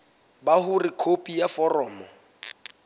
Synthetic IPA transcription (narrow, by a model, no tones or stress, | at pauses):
bahʊrikʰopʼijafɔrɔːmɔ